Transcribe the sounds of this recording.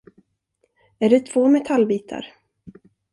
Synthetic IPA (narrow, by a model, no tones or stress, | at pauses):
æɖɛt̪ʰv̥oːmɛt̪ʰalbiːt̪ʰa̰ɾ